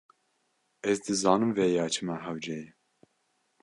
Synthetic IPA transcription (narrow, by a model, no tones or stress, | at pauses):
ɛzd̪ɨzɑːnɨmvɛjɑːt͡ʃʰɨmæɦæwd͡ʒɛji